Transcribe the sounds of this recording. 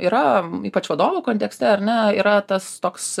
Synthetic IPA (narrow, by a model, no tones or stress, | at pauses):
iːɾɐiːpɐt͡ʃʋɐd̪oːʋokoːnt̪ʲɛksʲt̪ʲɛɐɾnʲɛiːɾɐt̪ɐst̪oːks